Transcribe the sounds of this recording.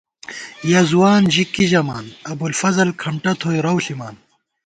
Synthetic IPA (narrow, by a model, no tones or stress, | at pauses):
jazuwaːnʑikːiʑɐmaːnɐbulfɐzɐlkʰɐmʈɐt̪ʰoːjɾɐwɬimaːn